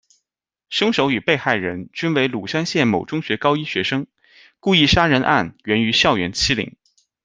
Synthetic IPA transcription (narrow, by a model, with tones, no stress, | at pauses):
ʂɤ˥ŋʂo˧˥ʊy˨˩pe˥˧ɪxa˥˩ɪɻə˧˥nt͡ɕy˥nwe˧˥ɪlu˨˩ʂa˥nɕjɛ˥˩nmo˨˩ʊʈ͡ʂʊ˥ŋɕɥɛ˧˥kɑ˥ʊi˥ɕɥɛ˧˥ʂɤ˥ŋ | ku˥˧i˥˩ʂa˥ɻə˧˥nʔa̰˥˩nɥɛ˧˥ny˧˥ɕjɑ˥˩ʊɥɛ˧˥nt͡ɕʰi˥lḭ˨˩˦ŋ